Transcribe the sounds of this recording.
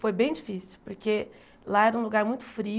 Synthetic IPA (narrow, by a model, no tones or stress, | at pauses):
fojbẽj̃d͡ʒifisiwpoɾkʰe | laɛɾɐũluɡaɾmũj̃t̪ʊ̥fɾi